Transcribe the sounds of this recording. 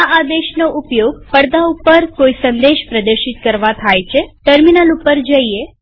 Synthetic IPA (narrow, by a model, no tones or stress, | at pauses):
aad̪eʃnoʔupjoɡpəɽd̪aupəɾkoisənd̪eʃpɾəd̪əɾʃit̪kəɾʋat̪ʰajt͡ʃʰeʈəɾminalupəɾd͡ʒəie